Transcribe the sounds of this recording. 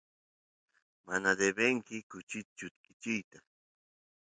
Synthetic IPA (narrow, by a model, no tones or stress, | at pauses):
manad̪ebeŋkɪkʊt͡ʃɪt̪t͡ʃʊt̪̚kɪt͡ʃɪjt̪a